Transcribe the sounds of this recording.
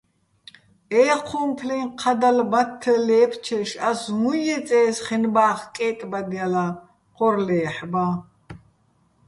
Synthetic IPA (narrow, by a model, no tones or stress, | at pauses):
ɛːqʰumpʰliŋqʰad̪albat̪ʰːəlɛːpʰt͡ʃʰɛʃasmujɛt͡sʼɛːsχinbaːχkʼɛːt̪ʼbad̪jala | qʼɔɾlɛːħba